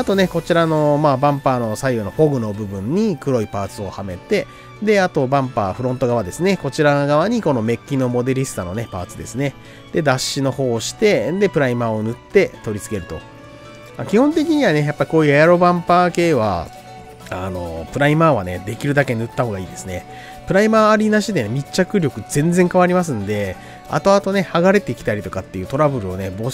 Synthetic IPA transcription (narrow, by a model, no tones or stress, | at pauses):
at̪o̞ne̞ko̞t͡ɕiɾano̞maːbãmpaːno̞saijono̞ho̞ɡɯ̟no̞bɯ̟bɯ̟̃ɲ̟ːikɯ̟ɾo̞ipaːt͡sɨo̞hame̞t̪e̞ | d̪e̞at̪o̞bãmpa̰ːɸɯ̟ɾõ̞nt̪o̞ɡaβad̪e̞sɨne̞ko̞t͡ɕiɾaɡaβaɲ̟iko̞no̞me̞kʲːino̞mo̞d̪e̞ɾʲisɨ̥t̪ano̞ne̞pa̰ːt͡sɨd̪e̞sɨne̞ | d̪̥e̞d̪aɕːino̞ho̞ːɕi̥t̪e̞d̪e̞pɯ̟ɾaimaonɯ̟t̪ːe̞t̪o̞ɾʲit͡sɨ̥ke̞ɾɯ̟t̪o̞̰ | makʲihõ̞nt̪e̞kʲiɲ̟iβane̞japːaɾʲiko̞ːjɯ̟ajaɾo̞bãmpaːke̞ːβa̰ | a̰no̞̰pɯ̟ɾaimaːβaned̪e̞kʲiɾɯ̟d̪ake̞ɲnɯ̟t̪ːaho̞ːɡaiːd̪e̞sɨne̞ | pɯ̟ɾaimaːɾʲinaɕid̪e̞nemʲit͡ɕakɯ̟ɾʲo̞kɯ̟zẽ̞nd͡zẽ̞ŋkaβaɾʲimas̬ɨ̃nd̪e̞ | a̰t̪o̞at̪o̞ne̞haɡaɾe̞t̪e̞ikʲi̥t̪aɾʲit̪o̞kat̪ːe̞jɯ̟ːt̪o̞ɾabɯ̟ɾɯ̟o̞ne̞bo̞